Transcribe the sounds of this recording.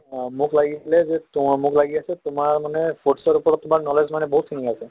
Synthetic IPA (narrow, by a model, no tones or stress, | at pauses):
mukʰlaɡisʰilɛzet̪ʊmukʰlaɡiasʰɛt̪ʊmaɹmanɛfʰoʈsɔɾupɔɾɔt̪̚t̪ːʊmaɹnɔlezmanɛbɔɦut̪ʰːiniasʰɛ